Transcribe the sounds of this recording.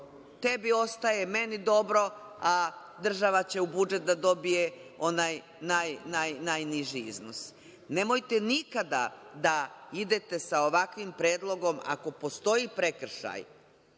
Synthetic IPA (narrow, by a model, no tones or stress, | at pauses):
t̪e̞bio̞st̪ajemenid̪o̞bɾo̞a | d̪r̩ʒaʋat͡ɕe̞ubud͡ʒet̪̚d̪ad̪o̞bijeo̞naj | najnajnajniʒiiznos | ne̞mo̞jt̪enikad̪a̰d̪aid̪e̞t̪e̞sao̞ʋakʋimpɾeːd̪lˠo̞ɡo̞ma̰ko̞po̞st̪o̞ipɾe̞kr̩ʃa̰j